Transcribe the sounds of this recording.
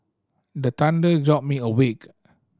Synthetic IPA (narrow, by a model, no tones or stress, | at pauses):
dət̪ãndəd͡ʒɔp̚miəwik